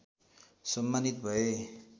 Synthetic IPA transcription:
sʌmːanit̪bʱʌe

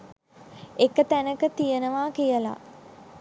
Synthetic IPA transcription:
ekət̪ænəkət̪ijənəʋaːkijəla̰

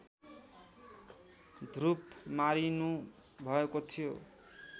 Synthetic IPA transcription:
d̪ʱrupmaɾinũ | bʱʌekot̪ʰijo

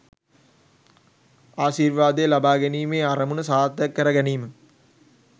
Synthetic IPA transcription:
aːʃiːɾʋaːd̪ejlɐbaːɡɛniːmeːaɾɐmunəsaːt̪ːɐkːɐɾɐɡæniːmɨ

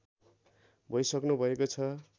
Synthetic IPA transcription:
bʱʌjsʌknubʱʌekot͡sʰʌ

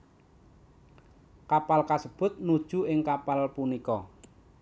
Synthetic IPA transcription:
kapalkasəb̥ʊ̤t̪̚nud̥ʒ̥ṳɪŋkapalpunikɔ

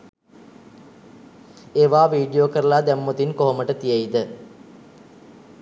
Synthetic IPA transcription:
eːʋaːʋiːɖijoːkɐɾlaːd̪emːot̪inkoɦmɐʈət̪ijɐjd̪ə

